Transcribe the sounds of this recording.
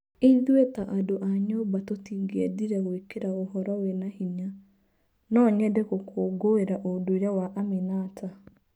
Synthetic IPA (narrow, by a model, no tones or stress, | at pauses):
iðwetaʔadoʔaɲobatotiːŋɡeɛdiɾɛɣoekeɾaoɦɔɾɔwɛnahiɲa | nɔɲɛdekokʰoːɡoeɾaʔodoiɾawaʔamenatʰa